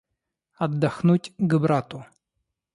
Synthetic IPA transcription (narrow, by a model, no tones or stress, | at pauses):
ɐd̪ːɐxnutʲɡbɾat̪ʊ